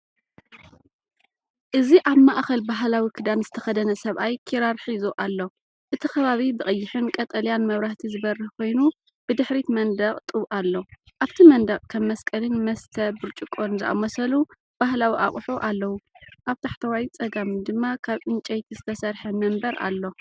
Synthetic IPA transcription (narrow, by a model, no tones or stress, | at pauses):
ʔɨziʔaβmaʔxɐlbaɦlawikʰɨd̪anz̥ɨt̪ʰɐ̥xɐd̪ɐnɐsɐβʔajkʰiɾaɾħizoʔalːo̞ | ʔɨt̪ʰixɐβaβibɨʔʼɐjːɪħɨnkʼɐt̪ʼɐljanmɐβɾaht̪ʰizɨβɐrːɨhkʰo̞jnu | b̥ɨd̪ɨħɾit̪mɐnd̪ɐχʼt̪ʼɨβʔalːo̞ | ʔaβt̪ʰimɐnd̪ɐqʼkʰɐmːɐskʼɐlɨnmɐst̪ʰɐbɨɾt͡ʃʼɨkʼːonzɨʔa̰mːɐsɐlu | b̥aɦlawiʔa̰χʼħoʔalːɐwuʔaβt̪ʰaħt̪ʰɐwajt͡sʼɐɡamd̪ɨmːakʰaβʔɨnt͡ʃʼɐjt̪ʰizɨt̪ʰɐsɐɾħɐmɐmbɐɾa̰lːo̞